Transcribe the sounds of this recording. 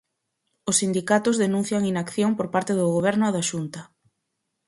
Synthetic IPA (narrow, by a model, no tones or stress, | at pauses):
ʊsːind̪ikat̪ʊzðenũn̟θjaŋinakθjoŋpoɾpaɾt̪eðʊɣoβ̞ɛɾnʊaðaʃunt̪ɐ